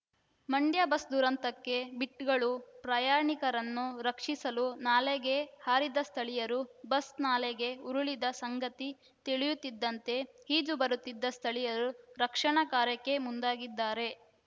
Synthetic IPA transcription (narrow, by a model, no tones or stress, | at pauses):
mɐɳɖjɐbɐsd̪uɾɐnt̪ɐkːe̞biʈːɡɐɭupɾajaːɾɳikɐɾɐnːuɾɐkʂisɐlunaːleɡe̞haːɾid̪ɐst̪ʰɐɭijɐɾubɐsnaːleɡe̞uɾuɭid̪ɐsɐŋɡɐt̪i | t̪iɭijut̪ːid̪ːɐnt̪e̞hiːd͡ʒubɐɾut̪ːid̪ːɐst̪ʰɐɭijɐɾuɾɐkʂɐɳɐkaːɾjɐkːe̞mund̪aːɡid̪ːaːɾe̞